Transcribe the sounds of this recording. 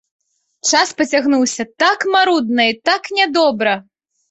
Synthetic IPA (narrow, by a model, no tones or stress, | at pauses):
t͡ʂaspɐt͡sʲaɣnuwsʲɐt̪akmaɾud̪nɐit̪aknʲɛd̪ɔbɾɐ